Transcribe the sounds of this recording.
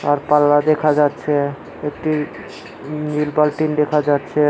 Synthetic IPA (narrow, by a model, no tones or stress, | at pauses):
aɾpalːad̪ekʰad͡ʑat̪ːʃʰe | ek̚ʈi | nilbalʈind̪ekʰad͡ʑatːʃʰe